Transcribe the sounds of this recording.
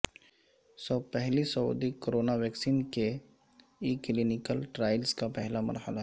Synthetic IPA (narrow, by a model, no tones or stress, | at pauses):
sɔpɛɦlisɐṵd̪ikoɾoːnaʋɛːksiːnke | iklinɪkəlʈɾaːɪlskapɛɦlamɐ̰ɾhəla